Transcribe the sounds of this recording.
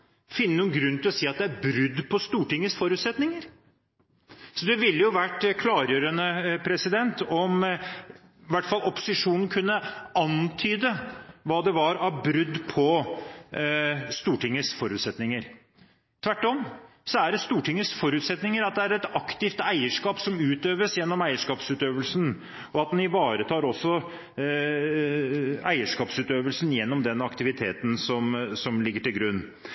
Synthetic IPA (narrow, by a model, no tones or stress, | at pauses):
fɪnːənuːnɡɾʉnːt̪ɪlˠɔsiːɑt̪̚d̪ɛæɾbɾʏd̪ːpʰɔst̪uːʈɪŋːəsfɔɾʉːt̪sɛt̪nɪŋəɾ | sɔd̪ɛʋɪlːəjʊʋæʈːkʰlɑːɾjøːɾənəpʰɾɛsɪd̪ɛnt̪ɔm | ʋæʈːfɑlɔpʊ̥sɪʂuːnn̩kʰʉnːəɑnt̪ʰyːd̪əʋɑːd̪ɛʋɑɾɑʋbɾʏd̪ːpʰɔ | st̪uːʈɪŋːəsfɔɾʉːt̪sɛt̪nɪŋəɾ | t̪ʰʋæʈːɔm | sɔæɖɛst̪uːʈɪŋːəsfɔɾʉːt̪sɛt̪nɪŋəɾɑt̪̚d̪ɛæɾɛt̪ɑkt̪ɪft̪æɪəʂkɑːpsɔmʉːt̪øːʋəsjɛnːɔmæɪəʂkɑːpsʉːt̪øːʋəlsn | ɔɑt̪̚d̪ɛnɪʋɑːɾət̪ʰɑːɾɔsːɔ | æɪəʂkɑːpsʉːt̪øːʋəlsnjɛnːɔmd̪ɛnːɑkt̪ɪʋɪt̪ʰeːt̪nsɔmsɔmlɪɡːəʈɪlɡɾʉnː